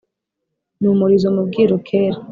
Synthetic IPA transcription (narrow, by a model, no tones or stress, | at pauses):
numuɾizomubɡiːɾokʰeːɾa